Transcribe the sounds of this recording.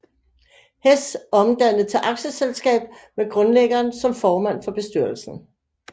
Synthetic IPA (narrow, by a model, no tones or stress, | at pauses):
hesɒ̽md̥æn̰ð̩ˠt͡sʰe̝ʔɑ̈ɡ̥ɕəselsɡ̥ɛ̰ːb̥meɡ̥ʁɔ̽nleɡ̥ɐːnsɒ̽mfɒːmæn̰fɒ̽b̥e̝sd̥yɐl̩sn̩